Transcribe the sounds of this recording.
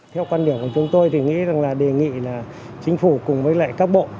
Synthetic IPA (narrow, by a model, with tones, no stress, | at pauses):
t̪ʰɛ˧wkwaː˧nɗi˨˧˩əŋku˧˩ət͡ɕʊ˨˦ŋ͡mt̪o˧jt̪ʰi˨˩ŋḭ˧˥za˨˩ŋlaː˨˩ɗe˨˩ŋḭ˧˨laː˨˩ | t͡ɕï˨˦ŋ̟fu˧˩kʊ˨˩ŋ͡mvəː˨˦jla̰ː˧˨jkaː˦˥k̚ɓo̰˧˨